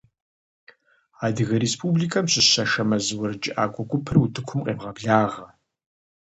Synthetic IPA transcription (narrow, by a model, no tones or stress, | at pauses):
aːdɨɣɐɾespʰubliːkʰɐmɕɪɕɐʃɐmɐzwɐrd͡ʒʼɪʔaːɡʷʼɔɡʷʊpʰɨrutʰɨkʷʰʊmqʼeːbʁɐbɮaːʁɐ